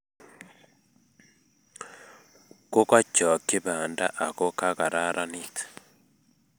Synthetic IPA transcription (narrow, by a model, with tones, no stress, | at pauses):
ko˦ka˦t͡ʃɔ˨ki˦βa˨nda̰˦ʔa˨ko˦ka˦ɣa˨ɾa˦ɾʔa˦nitḁ